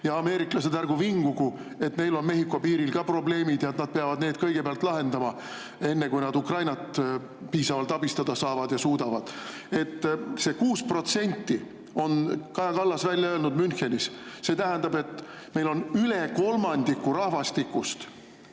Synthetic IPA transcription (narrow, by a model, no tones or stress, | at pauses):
jɑɑme̞ːɾiklɑset̪ærɡ̥uviŋɡ̥uɡu | e̞t̪me̞jlo̞nme̞ɦikːˑo̞piːɾilkɑpro̞ble̞ːmid̪jɑet̪nɑd̪̥̚peɑvɑd̪neːd̪̥kɤ̞jɡ̥epeɑlt̪ˑlɑɦe̞nd̪ɑmɑ | e̞nːe̞kujnɑd̪ukrɑjnɑt̪ | piːsɑvɑlt̪ˑɑbist̪ɑd̪̥ɑsɑːvɑd̪jɑsuːd̪ɑvɑd̪̥ | e̞t̪ːse̞ːkuːspro̞t̪se̞nʲt̪ˑːi | o̞nkɑjɑkɑlːɑsvælʲjɑøːlnud̪mynxe̞nisse̞ːt̪æɦænd̪̥ɑbe̞t̪ːˑ | me̞jlo̞nyleko̞lmɑnd̪̥ikːuɾɑhvɑst̪ikːˑust̪